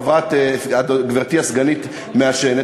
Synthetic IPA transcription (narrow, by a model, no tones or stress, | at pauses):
vʁat̪ad̪ɡviʁt̪iasɡanit̪ | meaʃene